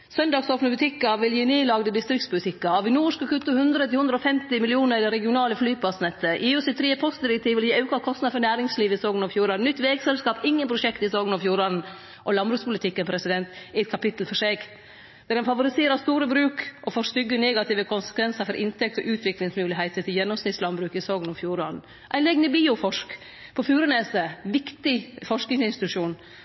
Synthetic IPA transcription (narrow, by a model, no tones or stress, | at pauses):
sœnd̪ɑːɡsoːpnəbʉt̪ʰɪkːɑʋɪljiːneːlɑɡd̪əd̪ɪst̪ɾɪkt̪spʊlɪt̪ʰɪkːɑɑʋɪnuːʂkəkʰʉt̪ːəhʉnd̪ɾət̪ɪhʉnd̪ɾɔfɛmt̪ɪmɪlɪuːnəɾd̪ɛɾɛɡɪʊnɑːləflyːpʰɑsnɛt̪ːəʔɪːʉsɪt̪ʰɾiːəpʰɔst̪d̪ɪɾɛk̚t̪ʰiːʋɪljiːɑʉkɑkʰɔst̪nɑd̪fɔɾɳnæːɾɪŋsliːʋəɪsoːɡənɔːʋfjuːɾɑnʏt̪ːʋɛːɡsɛlskɑːpɪŋːənpʰɾʊʃɛkt̪ɪsoːɡənɑʋfjuːɾɑn̩ | ʔɔlɑnbɾʉːspʊlɪt̪ʰɪkːənpʰɾɛsɪd̪ɛnt̪ɪɛt̪̚kʰɑpɪt̪l̩fɔʂɛːɡ | d̪̥æɾɛnfɑʋʊɾɪseːɾəst̪uːɾəbɾʉːkʔɔfɔst̪ʏɡːənɛːɡɑt̪iːʋəkʰʊnsə̥kʰʋɛnsəɾfɔɾʔɪnt̪ʰɛk̚t̪ɔʔʉːt̪ʰʋɪklɪŋsmʉːlɪɦæɪt̪ət̪ɪljɛnːɔmsnɪt̪slɑmbɾʉːkɪsɔːɡənɔʋfjuːɾɑnn̩ | ʔæ̰ɪnɛɡnəbiːʊfɔʂk | pʰɔfjʉːɾənɛːsəʋɪkt̪ɪfɔʂknɪŋsɪnst̪ɪt̪ʉʂuːn